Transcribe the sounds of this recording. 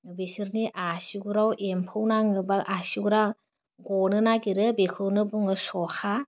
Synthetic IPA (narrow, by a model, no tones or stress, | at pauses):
besɯɾniʔasiɡuɾawempʰɯwnaŋɯbalʔasiɡuɾa | ɡɔnɯnaɡiɾɯbekʰɯwnɯbuŋɯsɔha